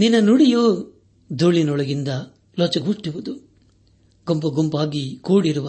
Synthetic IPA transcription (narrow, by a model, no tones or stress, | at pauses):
ninːɐnuɽijoː | d̪uːɭinɔɭɐɡind̪ɐ | lɔt͡ʃɐɡuːʈːiʋud̪u | ɡompɐɡompaːɡikuːɽiɾuʋɐ